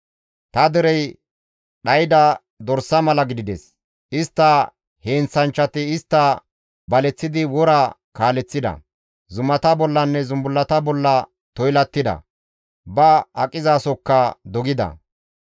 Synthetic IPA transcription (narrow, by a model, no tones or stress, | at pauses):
t̪ɐd̪ɛɾɛj | ɗɐjd̪ɐ | d̪ɔɾsɐmɐlɐɡɪd̪ɪd̪ɛs | ɪst̪ːɐ | he̞ːnt͡sːɐnt͡ʃːɐt̪ɪɪst̪ːɐ | bɐlɛt͡sːɪd̪ɪwɔɾɐ | kaːlɛt͡sːɪd̪ɐ̰ | zʊmɐt̪ɐbɔlːɐnːɛzʊmbʊlːɐt̪ɐbɔlːɐ | t̪ɔjlɐt̪ːɪd̪ɐ̰ | bɐɐkʼɪzaːsɔkːɐd̪ɔɡɪd̪ɐ̰